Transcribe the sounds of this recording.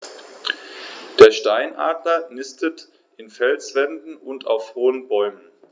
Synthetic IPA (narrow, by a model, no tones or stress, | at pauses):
d̥eːɐʃtaɪnʔa̰ːdlɐnɪstət | ʔɪnfɛlsv̥ɛndn̩ʊntʰa̰ʊfhoːənbɔʏmən